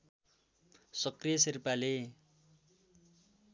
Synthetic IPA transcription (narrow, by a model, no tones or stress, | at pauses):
sʌkrijʌsirpale